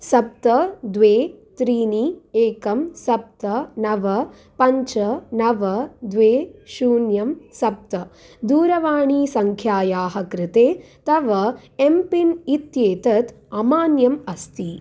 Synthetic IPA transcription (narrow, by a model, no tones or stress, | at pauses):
sɐp̚t̪ɐd̪ʋeːt̪ɾiːnieːkɐmsɐp̚t̪ɐnɐʋɐ | pɐɲt͡ʃɐnɐʋɐd̪ʋeːʃuːnjɐmsɐp̚t̪ɐ | d̪uːɾɐʋaːɳiːsɐŋkʰjaːjaːɦɐkɾɪt̪eː | t̪ɐʋɐempinit̪jeːt̪ɐt̪ | ɐmaːnjɐmɐst̪i